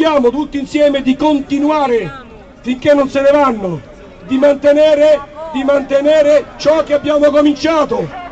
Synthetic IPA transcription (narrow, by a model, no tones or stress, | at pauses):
jaːmʊt̪ut̪ːinsjɛːmɪd̪ikont̪inuaːɾɪ | fiŋk̟enːonsenɪvanːʊ | d̪imant̪enɛːɾed̪imant̪enɛːɾet͡ʃɔk̟ːeabːjaːmʊkomint͡ʃaːt̪ʊ